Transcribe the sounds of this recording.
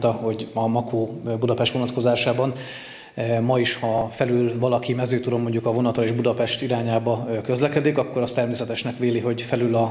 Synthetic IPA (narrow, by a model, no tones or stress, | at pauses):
t̪ɒho̞ɟɒmɒkoːbud̪ɒpɛʃt̪ʋo̞nɒt̪ko̞zaːʃaːbɒn | mɒiʃhɒfɛlylvɒlɒkimɛzøːt̪ud̪omːo̞ɲɟukɒvo̞nɒt̪rɒeːʒbud̪ɒpɛʃt̪iɾaːɲaːbɒøkøzlɛkɛd̪ikɒkːo̞ɾɒst̪ɛrmeːsɛt̪ɛʃnɛkʋeːliɦo̞ɟfɛlylɒ